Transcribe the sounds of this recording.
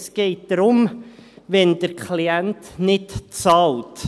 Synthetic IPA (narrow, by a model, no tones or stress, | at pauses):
sɡ̥ɛɪt̚d̥̪ɾʊmʋɛnd̥əɾkʰχliæntnɪtt͡sɑːlt